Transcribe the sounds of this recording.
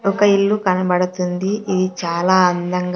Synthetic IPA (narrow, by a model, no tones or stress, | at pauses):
ɔkɐilːukɐnɐbɐɽɐt̪und̪iʔid̪it͡ʃaːlaːɐnd̪ɐŋɡ